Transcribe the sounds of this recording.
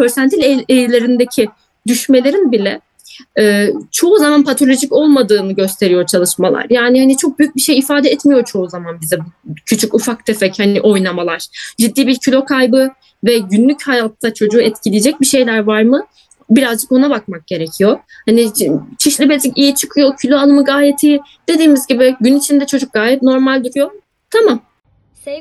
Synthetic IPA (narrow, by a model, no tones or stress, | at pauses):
øɾsænt̪ʰilʲeelilʲe̞ɾind̪ecʰi | d̪yʃme̞lʲe̞ɾinbilʲɛ | ɛːt͡ʃʰo̞uzamanpʰat̪ʰo̞lʲo̞ʒico̞lˠmad̪ɯːnɯɟø̞st̪ʰe̞ɾijot͡ʃʰalˠɯʃmalˠa̰ɾjaːnihanit͡ʃʰo̞k̚byjyc̚biʃe̞jifaːd̪ɛɛt̪mijo̞t͡ʃʰo̞uzamanbizɛbucʰyt͡ʃʰycufak̚d̪ʰefɛchaniʔo̞jnˠamalˠaɾ̥d͡ʒid̪ːiːbiɾcʰylʲo̞kʰajbɯ | vɛɟynlʲychajat̪ʰːat͡ʃʰo̞d͡ʒuːɛt̪cʰilʲijd͡ʒɛc̚biʃe̞jlʲæɾvaɾmɯ | biɾazd͡ʒɯko̞nabak̚mak̚ɟ̥e̞ɾe̞cʰijo̞ | hanit͡ʃʰiʃlʲibezicijit͡ʃʰɯ̥kʰɯjo̞cʰylʲo̞alˠɯmɯɡaːjet̪ʰiː | d̪̥e̞d̪iːmizɟibɪɟynit͡ʃʰind̪ɛt͡ʃʰo̞d͡ʒuk̚ɡaːjɛt̪̚no̞ɾmalʲd̪yɾyjo̞ | t̪ʰamam